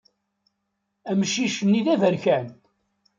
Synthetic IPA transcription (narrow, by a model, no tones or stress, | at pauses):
æmʃiʃənːiðævəɾçæn